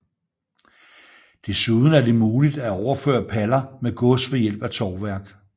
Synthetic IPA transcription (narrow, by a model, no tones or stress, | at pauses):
d̥e̝suðˠn̩æɐd̥e̝muːlid̥æɒʊɐfø̰ːɐpʰælɐmeɡ̥ɔ̽sʋejel̰b̥æt͡sʰɒːʋæɐ̰ɡ̥